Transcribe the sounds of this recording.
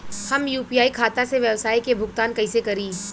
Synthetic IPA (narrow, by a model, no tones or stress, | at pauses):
hɐmjuːpijaːikʰaːt̪aseʋjɐwsaːikebʱʊɡt̪aːnkɐɪsekɐɾiː